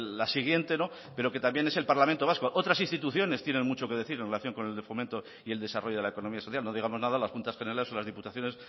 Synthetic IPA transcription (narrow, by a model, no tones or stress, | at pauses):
lasiɣ̞je̞nt̪e̞no̞ | pe̞ɾo̞ke̞t̪ambje̞ne̞se̞lpaɾlamẽnt̪o̞βaskoʔo̞t̪ɾasinst̪it̪uθjo̞ne̞st̪je̞ne̞nmut͡ʃo̞ke̞ð̞e̞θiɾenrelaθjo̞ŋko̞ne̞ld̪efomẽnt̪o | ie̞ld̪e̞saro̞ʝo̞ð̞e̞laeko̞no̞miasoθjalno̞ðiɣ̞amo̞znaðalaspunt̪asxe̞neɾalesolazðiput̪aθjo̞nes